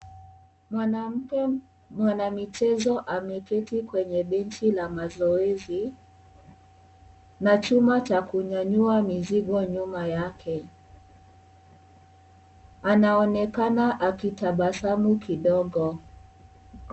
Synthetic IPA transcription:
mam̩k | mwanamit͡ʃɛzɔʔamɛkɛtikwɛɲɛɓɛntilamazɔɛzi | nat͡ʃumat͡ʃakuɲaɲuamiziɡɔɲumajakʰɛ | anaɔnɛkanaʔakitaɓasamukʰiɗɔɡɔ

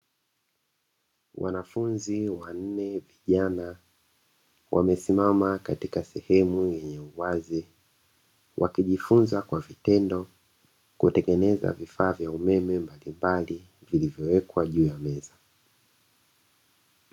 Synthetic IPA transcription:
wa̰nafunziwan̩nɛviʄana | wʔa̰mɛsimamakatikasɛhɛmujɛɲɛuwazi | wʔa̰kiʄifunzakwavitɛndɔ | kutɛŋɡɛnɛza̰vifaːvjaumɛmɛmbalimbali | vilivjɔwɛkwaʄuːjamɛza

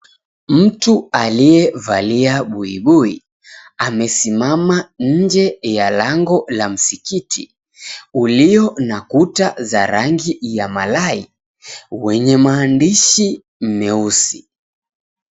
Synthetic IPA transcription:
m̩tualiɛvaliaɓuiɓuḭ | amɛsimamaɲ̩d͡ʒɛjalaŋɡɔlam̩sikitʰḭ | uliɔnakutaza̰ɾaŋɡijama̰lai | wɛɲɛmaːndiʃi | m̩mɛusi

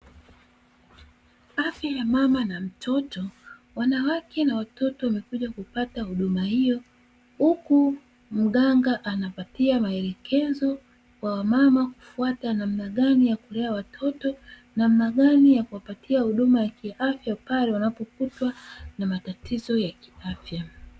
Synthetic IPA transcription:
afjajamamanam̩tʰɔtɔwanawakʰɛnawatɔtɔwamɛkuʄakupatahuɗumahijɔ | huku | m̩ɠaŋɡaʔanapatiamaɛlɛkʰɛzɔ | kwawamamaku̥fuatanam̩naɠanijakulɛawatʰɔtɔ | nam̩naɠanijakuwapatʰiahuɗumajakiʔafjapalɛwanapɔkutwanamatatʰizɔjakiafja

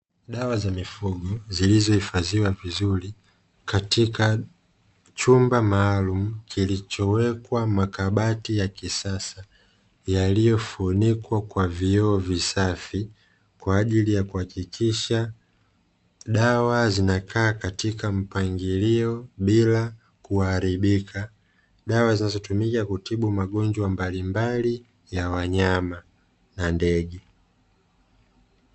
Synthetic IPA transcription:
ɗawazamifuɡɔzilizɔhifaziwavizuli | katika | t͡ʃumbamaːlumukʰilit͡ʃɔwɛkwamakaɓatijakisasa | jalijɔfunikwakwaviɔːvisafi | kwaːʄilijakuhakikʰiʃa | ɗawazinakʰaːkatikam̩paŋɡiliɔɓila | kuaːɾiɓikʰa | ɗawazinazɔtumikakutʰiɓumaɠɔnd͡ʒwambalimbali | jawaɲama | nandɛɠɛ

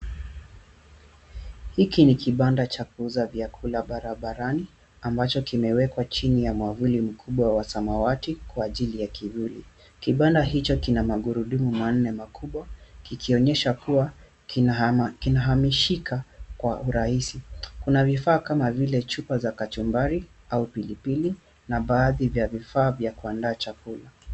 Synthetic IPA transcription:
hikinikiɓandat͡ʃak̚uzavjakʰulaɓaɾaɓaɾani | ambat͡ʃɔkimɛwɛkwat͡ʃinijamwavulim̩kʰuɓwawasamawatikwaːʄilijakivulḭ | kiɓandaɦit͡ʃɔkinamaɠuɾuɗumuman̩ːɛmakʰuɓwakikʰiɔɲɛʃakuwa | kinaɦamiʃikakwaʔuɾaisikunavifaːkamavilɛt͡ʃupazakatumbaɾi | aupilipili | naɓaːðivjavifaːvjakuandaːt͡ʃakula

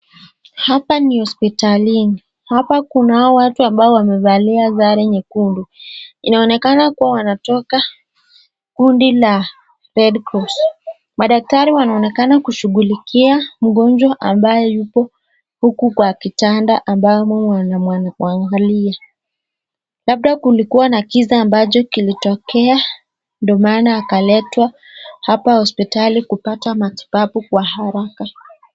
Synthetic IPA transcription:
hapanihɔspitalini | hapakunaɔwatuambaɔwamɛvaliazaɾɛɲɛkunduinaɔnɛkanakuwawanatɔka | kundila | pɛɗkɔs | maɗak̚taɾiwanaɔnɛkanakuʃuɣulikʰiam̩ɠɔnd͡ʒwaʔambajɛjupɔ | hukukwakitandaʔambajɔ | waŋɡalia | laɓ̚ɗakulikuwanakizaːmbat͡ʃɔkilitɔkɛa | ndɔmaːnaːkalɛtwa | hapahɔspitalikupatamati̥papukwaɦaɾaka

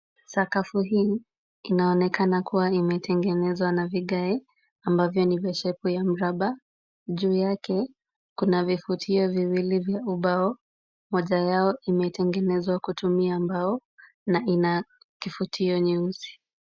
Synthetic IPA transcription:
sakafuɦiː | inaɔnɛkanakuwaimɛtɛŋɡɛnɛzwanaviɠaɛ | ambavjɔnivɛʃɛpujam̩ɾaɓa | ʄuːjakɛ | kunavifutʰiɔviwilivjauɓaɔ | mɔʄajaɔimɛtɛŋɡɛnɛzwakutumiambaɔ | naʔina | kifutʰiɔɲuuzi̥

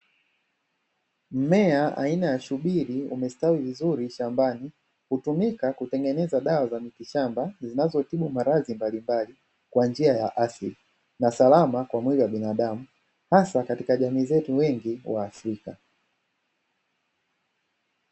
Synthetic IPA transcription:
m̩mɛaa̰inajaʃuɓiɾiṵmɛstawivizuɾiʃambani | hutumikakutɛŋɡɛnɛzaɗawazamitiʃambazinazɔtiɓumaɾazimbalimbali | kwand͡ʒiajaʔaθli | nasalamakwamwiliwaɓinaɗamu | hasakatikaʄamiːzɛtuwɛŋɡiwa̰ːfɾika

